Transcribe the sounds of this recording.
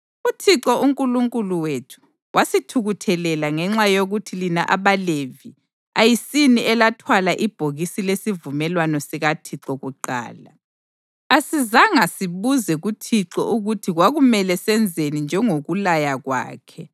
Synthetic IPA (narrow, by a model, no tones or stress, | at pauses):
utʰiǁɔʔuŋkʼuluŋkʼuluwetʰu̥ | wʔasitʰuɣutʰɛlɛlaŋɛŋ͡ǁajoɣutʰilinaʔaβalevi | ajisiniʔɛlatʰwalaʔib̥ʱoɣisilesivumɛlwanɔsiɣatʰiǁɔɣuǃa̰ːla̰ | asizaŋasiβuzɛɣutʰiǁɔ̰ʔuɣutʰiɣwaɣumɛlɛsɛnd͡zʱenind͡ʒʱɛŋoɣulajaɣwa̰ːkʰɛ